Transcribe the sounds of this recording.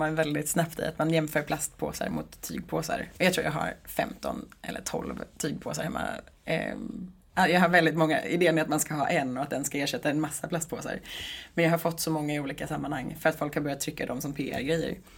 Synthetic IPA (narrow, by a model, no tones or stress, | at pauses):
manvɛld̪ɪt̪snapt̪ɪ̰a̰t̪manjɛmføːɾpʰlast̪pʰo̰ːsa̰ɾmʊt̪ʰːy̰ːɡ̚pʰoːsa̰ɾɔjɑat̪ɾuːjaːɡɦa̰ɾfɛ̰mt̪ɔ̰nʔɛ̰lːə̰ʈʰɔ̰lvt̪ʰyːɡ̚pʰoːsaɾhɛmːa̰ | ʔajɑːɡɦaɾvɛld̪ɪt̪mɔŋːa̰ɪd̪eːənɪat̪manskaɦɑ̰ːʔɛnːɔat̪̚d̪ɛnskaeːʂɛt̪ʰːaɛnmasːapʰlast̪̚pʰoːsa̰ɾmɛnjɑːɦaɾfɔt̪ːsɔmɔŋːaɪuːliːkasamːanhaŋːfœɾat̪fɔlkhaɾbœɾjat̪ʰːɾʏkːad̪ɔmsɔmpʰeːæ̰ɾɡɾɛjːə̰ɾ